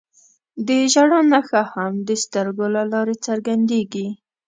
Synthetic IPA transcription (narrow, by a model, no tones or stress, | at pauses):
d̪əʒaɽɑnaxahamd̪əst̪əɾɡolalɑɾet͡səɾɡand̪eɡi